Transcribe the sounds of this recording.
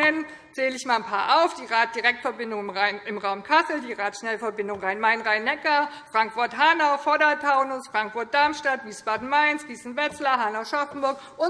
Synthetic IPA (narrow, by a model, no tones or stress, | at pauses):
ɛn | t͡seːləɪçmaːlnpʰaːɐʔaʊfd̥iːʁaːt̚d̥iʁɛk̚tfɛɐbɪndʊŋaɪnɪmʁaʊmkʰasl̩diːʁaːtʃnɛləfɛɐbɪndʊŋʁaɪnmaɪnʁaɪnɛkɐfʁ̥aŋkfʊɐtɦanɐfɔdɐtʰaʊnʊsfʁ̥aŋkfʊɐt̚d̥aɐmʃtatv̥iːsb̥aːdn̩maɪnsv̥iːsn̩vɛt͡slɐɦanɐʃɔfn̩bʊɐk | ʔʊ